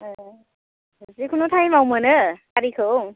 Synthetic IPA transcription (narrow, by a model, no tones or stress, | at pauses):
ɦɯzikʰunotʰajmawmɯnɯkaɾikʰɯw